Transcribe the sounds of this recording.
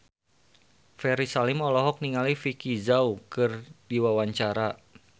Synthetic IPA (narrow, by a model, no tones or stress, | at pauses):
fɛɾisalimɔlɔɦɔk̚niŋalifikizaukɨrdiwawaɲt͡ʃaɾa